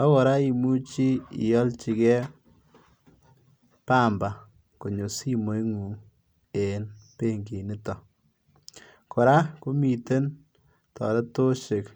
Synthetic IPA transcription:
a˦kɔ˨ɾa˦i˨mu˦t͡ʃi˦ḭ˨jɔ˦lt͡ʃi˨kɛ˦ | pa˦mba˨ | ko˨ɲo˨si˦mo˨jŋu˨ŋ | e˨npe˦ŋɡi˨nɪ˦tɔ˨ | kɔ˨ɾa˦ko˦mi˨te˦n | tɔ̰˨lɛ˦to˦ʃe˨k

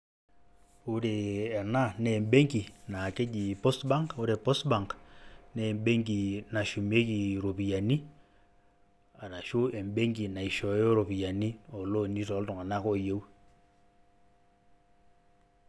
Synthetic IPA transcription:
u˦ɾeː˨na˦ne˨mbe˦ŋki˨na˨ke˦d͡ʒi˨po˦stba˦ŋko˦ɾe˨po˦stba˨ŋkne˨mbe˦ŋɡi˨na˨ʃu˨me˦ki˨ɾo˨pi˨ja˨ni˦ | a˨ɾa˨ʃu˦ʔe˨mbe˦ŋɡi˨na˨i˨ʃɔ˨e˦ɾo˨pi˨ja˨ni˦o˨lo˦ni˦tɔ˨˦ltɔ˨ŋa˨na˦ko˦je˦w

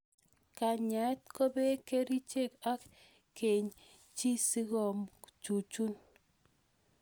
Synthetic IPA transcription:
ka˨ɲa˨˦t̪̚ko˦be˦ke˦ɾi˦t͡ʃe˦˨ka˦k | kːe˨ɲ | t͡ʃi˦si˦ɡɔ˨mt͡ʃu˨t͡ʃu˦n

